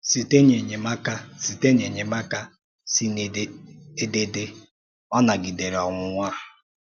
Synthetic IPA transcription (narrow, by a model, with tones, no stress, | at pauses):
si˨te˦ɲe˨ɲe˨ma˦ka˦si˨te˦ɲe˨ɲe˨ma˦ka˦ | si˦n˨˦e˦de˦dɪ˦ | ɔ˦na˨ɡi˨de˨ɾɔ˨ŋʷʊ˦ŋʷa˦˨